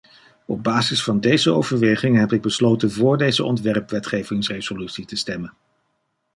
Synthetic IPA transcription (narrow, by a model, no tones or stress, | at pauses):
ɔb̚baːzɪsfɑndejzəo̰wvəɹʋejχɪŋɦɛpɪɡ̚bəslowtənvʊːɹdejzəʔɔ̰ntʋɛrpʋɛtχejvɪŋsrez̥olytsitəstɛmən